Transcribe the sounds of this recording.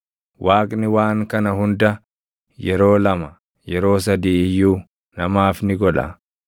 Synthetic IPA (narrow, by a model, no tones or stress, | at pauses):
wʔaːkʼnɪwaːŋkɐnɐɦʊnd̪ɐ | jɛɾo̞ːlɐmɐ | jɛɾo̞ːs̬ɐd̪iːɪjːuː | nɐmaːfnɪɡɔᶑɐ̰